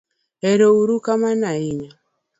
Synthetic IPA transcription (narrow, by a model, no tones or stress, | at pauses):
ɛɾɔuɾukamanaiɲa